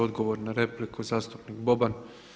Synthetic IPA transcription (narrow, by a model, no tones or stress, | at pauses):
o̞d̪ɡo̞ʋoɾnaɾe̞plikʰuzaːst̪upnikbo̞ban